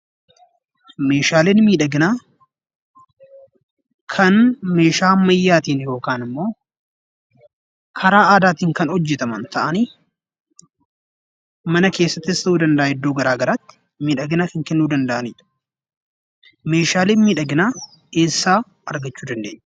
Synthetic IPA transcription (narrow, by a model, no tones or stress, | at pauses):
me̞ːʃaːleːnmiːᶑɐɡɪnaː | kʰɐnme̞ːʃaːmːɐjːaːt̪iːnjo̞ːkaːnɪmːo̞ː | kʰɐɾaːaːd̪aːt̪iːŋkɐnɔd͡ʒːɛt̪ɐmɐnt̪ʰɐʔɐniː | mɐnɐke̞ːsːɐt̪ːɪst̪ɐʔuːd̪ɐnd̪ɐʔaːhɛd̪ːoːɡɐɾaːɡɐɾaːt̪ːɪ̥ | miːᶑɐɡɪnaːkɐŋkɛnːuːd̪ɐnd̪ɐʔɐnḭːᶑ | me̞ːʃaːleːnmiːᶑɐɡɪnaː | e̞ːsːaː | ɐɾɡɐt͡ʃːuːd̪ɐnd̪ḛːɲː